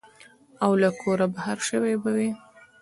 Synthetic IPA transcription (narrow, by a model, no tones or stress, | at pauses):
awlakʰoɾabahaɾʃəwebawi